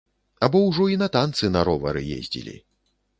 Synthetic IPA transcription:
abɔwʐɔinɐt̪ant̪sɨnɐɾɔvɐ̰ɾɨjḛzʲd͡zʲḭlʲḭ

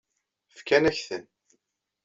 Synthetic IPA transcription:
fkænæçθən

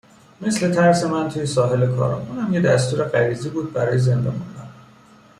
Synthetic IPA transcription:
me̞sle̞t̪ʰæɾse̞mænt̪ʰujesɒːɦe̞lekʰɒ̰ɾṵmʔuːnhæmjed̪æst̪ʰuːɾe̞ɢæɾiːziːbuːd̪̚bæɾɒːjeze̞nd̪ɒmund̪æn

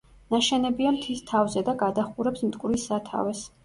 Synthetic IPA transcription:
naʃɛnɛbiamt̪ʰist̪ʰavzɛd̪aɡad̪aχuɾɛpsmt̪ʼkʼwɾisːat̪ʰa̰vɛs

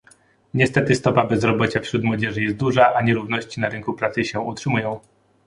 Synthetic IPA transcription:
ɲɛst̪ɛt̪ɘst̪ɔpabɛzɾɔbɔt͡ɕafɕɾut̪mwɔd͡ʑɛʐɘjɛst̪̚d̪uʐaʔaɲɛɾuvnɔɕt͡ɕinaɾɘŋkupɾat̪sɘɕɛutʂɘmujɔ̃w̃

